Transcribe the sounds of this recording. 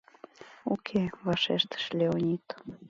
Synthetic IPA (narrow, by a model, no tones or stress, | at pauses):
ukʰeβɑʃeʃt̪ə̥ʃlʲeonʲit̪